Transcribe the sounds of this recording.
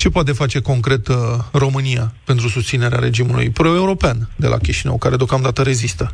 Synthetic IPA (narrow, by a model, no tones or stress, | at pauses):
t͡ʃe̞poat̪̬e̞fat͡ʃe̞ko̞ŋkɾe̞t̪ro̞mɨnijape̞nt̪ɾusust̪sine̞ɾeaɾe̞̰d͡ʒimulṵjpɾo̞euɾo̞peand̪e̞lʔa̰kʲiʃinə̰wkaɾe̞d̪eokamd̪at̪əɾe̞zist̪ə